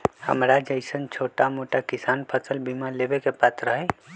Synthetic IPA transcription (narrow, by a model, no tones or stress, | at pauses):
hə̰mɾad͡ʒəɪsənt͡ʃʰoːʈamoʈakisaːnpʰəsʰəlbʱimalebekepat̪ɾəɦɛ